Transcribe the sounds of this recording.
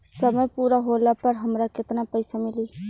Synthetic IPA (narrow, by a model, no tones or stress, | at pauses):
səməjpuːɾaɦoːlapɐɾɦɐmɾakɪt̪napəɪsamɪliː